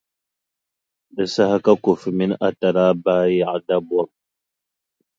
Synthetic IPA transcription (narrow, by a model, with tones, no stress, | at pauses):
də˨sa˦ha˦ka˦ku˨fmi˦nʔa˦ta˨ɾa˦baː˦ja˨ʕda˦bwa˦k̚